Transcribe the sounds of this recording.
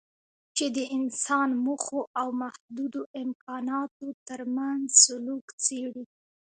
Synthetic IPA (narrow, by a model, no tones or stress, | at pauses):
t͡ʃed̪əɪnsɑnmuxoʔawmahd̪ud̪oʔɪmkɑnɑt̪ot̪əɾmanzsʊlukt͡seɽi